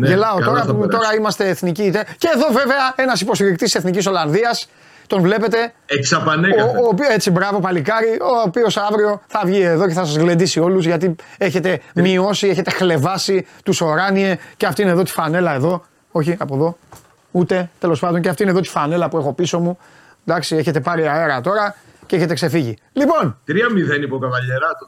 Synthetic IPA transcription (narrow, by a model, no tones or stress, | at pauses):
ʝelɐot̪o̞ɾɐt̪o̞ɾɐimɐst̪e̞ːθniciːt̪eceːðo̞ve̞ve̞ɐe̞nɐsipo̞st̪iɾik̚t̪isse̞θniciso̞lɐnðiɐs | t̪o̞nvle̞pe̞t̪e̞eksɐpɐneoopet͡sibɾɐvo̞pɐlikɐɾioopio̞sɐvɾio̞θɐvʝieðo̞ceθɐsɐzɣle̞nd̪isio̞luzʝɐt̪̬ie̞çe̞t̪e̞mio̞sie̞çe̞t̪e̞xle̞vɐsit̪uso̞ɾɐnie̞ceɐft̪iineðot̪i̥fɐne̞lɐe̞ðo̞ | o̞çiɐpoðo̞ | ut̪e̞t̪e̞lo̞spɐnd̪o̞nceɐft̪iineðoi̥fɐne̞lɐpue̞xo̞piso̞mu | d̪ɐksieçe̞t̪e̞pɐɾiaeɾɐt̪o̞ɾɐ | ceeçet̪ekse̞fiʝi | lipo̞nt̪ɾiɐmiðenipokɐvɐʎeɾɐt̪o